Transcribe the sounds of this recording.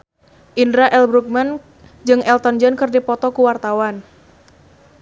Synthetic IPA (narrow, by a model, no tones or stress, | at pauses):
ʔindɾaʔɛlbɾuk̚man | d͡ʒɨŋʔɛlt̪ɔnd͡ʒənkɨrdipɔt̪ɔkuwart̪awan